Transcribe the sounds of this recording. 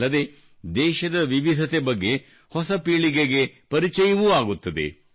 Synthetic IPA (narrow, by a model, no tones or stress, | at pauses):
ɐd̪e̞ | d̪ɛːʃɐd̪ɐʋiʋid̪ʱɐt̪e̞bɐɡːe̞ | hɔsɐpiːɭiɡeɡe̞pɐɾit͡ʃɛjɐʋuaːɡut̪ːɐd̪e̞̰